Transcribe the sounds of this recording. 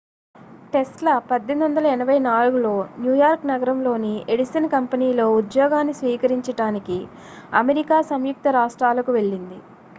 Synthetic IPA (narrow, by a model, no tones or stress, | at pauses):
ʈe̞sʈlɐpɐd̪ʱːend̪uʋɐnd̪ɐlɐɛnɐʋɐjnaːluɡulo̞ːnjuːjaːɾknɐɡɐɾɐmlo̞ːnieɽisɐnkɐmpɐniːlo̞ːud̪jɔːɡaːnːisʋiːkɐɾiɲt͡ʃɐɽaːniki | ɐmeɾikaːsɐmjuk̚t̪ɐɾaːʂʈɾaːlɐkuʋe̞ɭːind̪i